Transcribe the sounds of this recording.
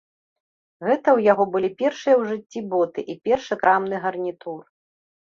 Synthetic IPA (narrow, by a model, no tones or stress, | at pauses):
ɣɛt̪ɐwjaɣɔbɨlʲipʲɛrʂɨjɐwʐɨt͡sʲːibɔt̪ɨʔipʲɛrʂɨkɾʔamnɨɣɐrnʲit̪ur